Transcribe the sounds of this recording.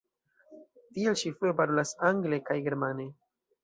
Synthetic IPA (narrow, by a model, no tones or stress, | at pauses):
tielʃifuepaɾolasaŋɡle̞kajɡe̞ɾmane̞